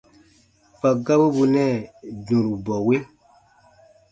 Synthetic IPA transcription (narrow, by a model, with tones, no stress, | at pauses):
pa˨ɡa˦bu˦bu˧nɛ̃˦˨dũ˨ɾu˨bɔ˨we˦